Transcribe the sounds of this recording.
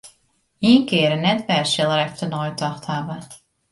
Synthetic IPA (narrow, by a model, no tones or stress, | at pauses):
iənkɪəɾənːɛtʋɛrsɪlˠəɾɛktənɔjtʰɔxthavə